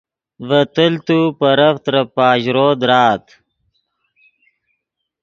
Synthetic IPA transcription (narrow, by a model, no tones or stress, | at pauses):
vət̪əlt̪upɐɾɐft̪ɾɐpaːʑɾoːd̪ɾaːt̪